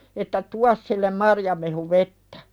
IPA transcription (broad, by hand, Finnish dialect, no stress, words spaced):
etːæ tuɑs silːem mɑrjɑmehuʋetːæ̥